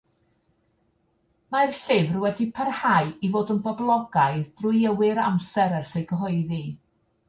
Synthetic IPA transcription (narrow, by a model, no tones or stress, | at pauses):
marɬɪvrwɛdipʰarhaɨivoːdənbɔblˠɔɡajðdrʊjəwɪɾamsɛɾɛrsejɡəɦɔɨði